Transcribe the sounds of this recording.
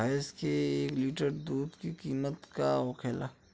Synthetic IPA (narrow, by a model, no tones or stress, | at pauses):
ajskeeːkliːʈəɾd̪uːd̪kikiːmət̪ka̰okʰeːla